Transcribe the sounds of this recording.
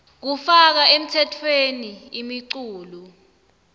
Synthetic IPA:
k̬ufak̬aem̩tʰɛtʰweniimiǀuːlu

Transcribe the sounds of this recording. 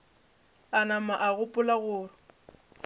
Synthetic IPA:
anamaʔaɣʊpʼʊlaɣʊːrʊ

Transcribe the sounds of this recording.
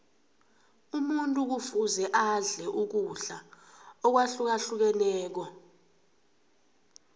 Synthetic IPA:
umuntʼuk̬ufuzɛʔaɮɛʔuk̬uɬa | ɔk̬waɬuk̬aɬuk̬ɛnɛːk̬ɔ

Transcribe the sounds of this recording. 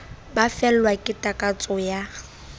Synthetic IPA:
bafɛl̩lwakʼɪtʼakʼat͡sʼɔja

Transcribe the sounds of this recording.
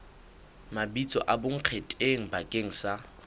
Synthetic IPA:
mabit͡sʼɔ̰ʔaboŋ̩q͡χʰetʼeŋ̩bakʼeŋ̩sa

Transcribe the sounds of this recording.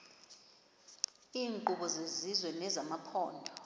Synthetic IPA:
iːŋǃuɓɔzezizwɛnɛzamapʰɔ̰ːndʱɔ

